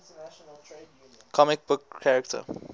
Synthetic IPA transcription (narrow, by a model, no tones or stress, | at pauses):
kʰɔmɪk̚bʊkʰːæɹəktʰə̰